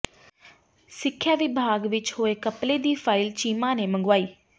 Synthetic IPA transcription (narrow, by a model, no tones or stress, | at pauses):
sɪkʰːjaːʋɪbʱaːɡʋɪt͡ʃhoːeːkəpleːd̪iːpʰaːɪlt͡ʃiːmãːneːməŋɡʋaːiː